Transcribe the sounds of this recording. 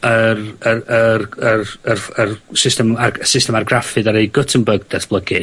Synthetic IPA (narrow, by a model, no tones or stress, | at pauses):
ərəərərərərsɪstɛmasɪstɛmarɡrafɨdaɾejɡətʰənbəɡ̚dɛtb̥lˠəɡɨ